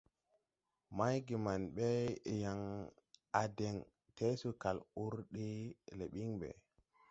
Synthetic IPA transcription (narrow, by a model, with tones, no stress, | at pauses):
ma˦jɡi˨ma˨nɓe˦˨ja˨ŋ | a˨de˨ŋ | te˦su˨ka˨lu˦ɾɗe˦le˨ɓi˦ŋɓɛ̰˨